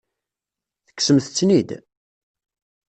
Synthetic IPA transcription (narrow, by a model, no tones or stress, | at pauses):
θə̥kːsəmθt͡sːnid̪